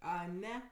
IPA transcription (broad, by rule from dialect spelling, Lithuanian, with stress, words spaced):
ɐˈnʲɛ